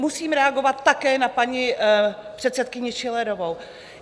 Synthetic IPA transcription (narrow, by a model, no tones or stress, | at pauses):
musiːmɾɛaɡo̞vat̪ːakɛːnapaɲɪpr̝̥ɛt̪sɛt̪kɪɲɪʃɪlɛɾo̞vow